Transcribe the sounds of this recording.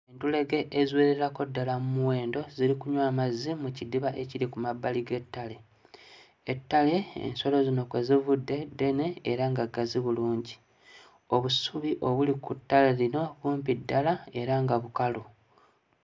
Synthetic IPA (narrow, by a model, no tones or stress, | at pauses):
entule̞ɡe̞ʔːzweːɾeɾako̞dːalamumuwe̞ːndo̞ziɾikuɲwaːmazimucidiβaʔe̞ciɾikumabːaliɡe̞tːale̞ | etːale̞ḛnso̞lo̞zino̞kwe̞zivudːe̞de̞ne̞ːɾaŋɡaɡaziβuluːɲɟi | o̞βusuβiʔo̞βulikutːaleɾino̞βuːmpidːalae̞ɾaŋɡaβukalu